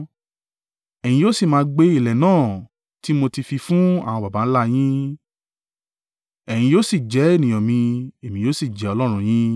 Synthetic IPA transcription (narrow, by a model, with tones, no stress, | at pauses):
ɛ˨j̃ĩ˧jo˦si˦˨mãː˨˧˦ɡ͡be˧i˦˨lɛ˨nãː˦˨ | ti˦mo˧ti˧fi˧fũ˦a̰˦˨w̃ɔ̃˧ba˨ba˨˦n̩˦la˦j̃ĩ˦ | ɛ˨j̃ĩ˧joː˦si˦˨d͡ʒɛ˨˦e˦˨nĩ˨j̃ɔ̃˨mĩ˧e˨mĩ˨joː˦si˦˨d͡ʒɛ˨˦ɔ˧lɔ˦ɾ̃ũ˦˧j̃ĩ˦